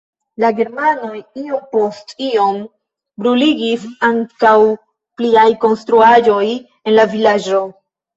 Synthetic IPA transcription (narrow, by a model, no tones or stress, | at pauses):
laɡe̞ɾmano̞jiompo̞stio̞m | bɾuliɡisaŋkaw | pliajko̞nstɾuaʒo̞j | e̞nlavilad͡ʒo̞